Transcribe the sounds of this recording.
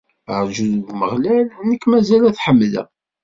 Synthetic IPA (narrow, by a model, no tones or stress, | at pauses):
əɾʒuðɡməʁlælnəkːmæzælæθħəmːlæ̰